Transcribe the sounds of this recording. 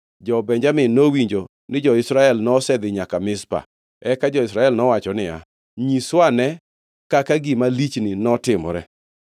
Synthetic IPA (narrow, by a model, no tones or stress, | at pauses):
d͡ʒɔbɛɲd͡ʒamɪnowiɲd͡ʒo | nɪd͡ʒɔɪsɾaɛlnɔsɛd̪ɪɲakamɪspa̰ | ɛkad͡ʒɔɪsɾaɛlnɔwat͡ʃɔnɪa̰ | ɲiswanɛ | kakaɡimalit͡ʃnɪnɔtɪmɔ̰ɾɛ